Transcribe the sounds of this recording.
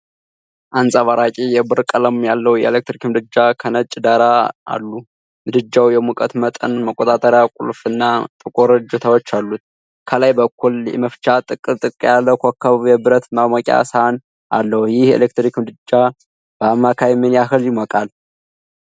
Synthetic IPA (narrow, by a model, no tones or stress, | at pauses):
ʔansʼaβaɾakʼijɛbɨɾkʼələmjalːəwujɛ̰elek̚t̪ɾikmd̪ɨd͡ʒːakʰənət͡ʃʼd̪aɾaa̰lːu | mɨd̪ɨd͡ʒːawjɛmukʼət̪mət̪ʼənməkʼot̪ʼat̪ʼəɾjakʼṵlfɨnːat̪ʼɨkʼoɾɨd͡ʒɛt̪ʰawɔt͡ʃːalːut̪̚ | kʰəlajbəkʰːuljɛ̰məft͡ʃat̪ʼɨkʼɨt̪ʼɨkʼjalːəkʰʷakʰːəββjɛbɨɾət̪mamokʼa̰səhan | ʔa̰lːəhujɪhjɛḛlek̚t̪ɾikmd̪ɨd͡ʒːa | b̥əamːakʰajminjaɦɨljɪmɔkʼal